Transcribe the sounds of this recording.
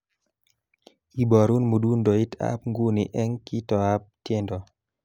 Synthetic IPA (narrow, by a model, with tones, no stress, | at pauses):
i˨bɔ˨ɾu˦nmu˨du˦ndɔ˨i˦ta̰˦p̚ŋɡu˦ni˨ʔɛ˦ŋki˦tɔ˨a˦p̚tje˦ndɔ˨